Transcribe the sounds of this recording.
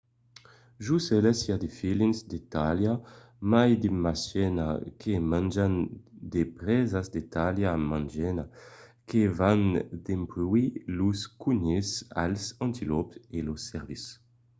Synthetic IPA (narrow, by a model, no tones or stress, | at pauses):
ʒusɛlesjad̪efilinsd̪et̪alja | majd̪imasɛna̰kʰemãnd͡ʒand̪epɾɛzazd̪et̪aljamãnd͡ʒɛnakʰevand̪empluiluskuɲesa̰lsɔ̃nt̪ilɔpelosɛʁvis